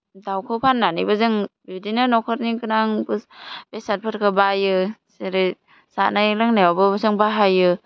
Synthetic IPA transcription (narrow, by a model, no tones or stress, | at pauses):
dawkʰɯwpʰanːanibɯzɯŋbudinanɔkʰɯɾnikɯnaŋbɯsb̥esat̚pʰɯɾkʰɯbajɯseɾe | sa̰najlaŋnawabɯbɯsɯŋbaɦajɯ